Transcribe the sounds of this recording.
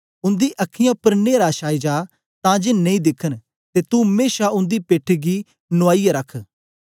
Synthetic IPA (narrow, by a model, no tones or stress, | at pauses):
ʊnd̪iːʔəkʰɪjãːʊpːəɾneːɾaːʃaːid͡ʒaː | t̪ãːd͡ʒeːneĩːd̪ɪkʰən | t̪eːt̪ũɦɐmeːʃaʊ̃nd̪iːpeːʈʰiɡiː | nʊaːijaɾəkʰ